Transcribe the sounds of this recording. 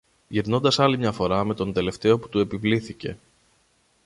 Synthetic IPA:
ʝiɾno̞nd̪ɐsɐlimɲɐfo̞ɾɐme̞t̪o̞nd̪e̞le̞ft̪e̞o̞pu̥t̪ue̞pivliθice̞̰

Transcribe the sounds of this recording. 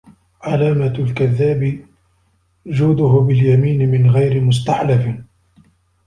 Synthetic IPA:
ʕalaːmalkaðːaːbɪ | d͡ʒuːd̪ʊɦʊbɪljamiːnɪmɪnɣajɾɪmʊs̬t̪aħlaf

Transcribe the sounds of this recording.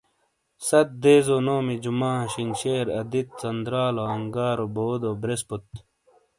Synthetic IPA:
sɐt̪̚d̪eːzonoːmid͡ʑumaːɕinɕeːɾɐ̰d̪it̪̚t͡sɐnd̪ɾaːloɐŋɡaːɾoboːd̪obɾesput̪̚

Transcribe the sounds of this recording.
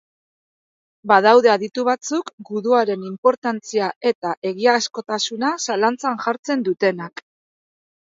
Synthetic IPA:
baðawðe̞aðit̪uβ̞at͡sukɡuðuaɾe̞nimpo̞ɾt̪ant͡siaʔe̞t̪aʔe̞ɣiaːsko̞t̪asunasalant͡sanʝaɾt͡se̞nd̪ut̪e̞nak

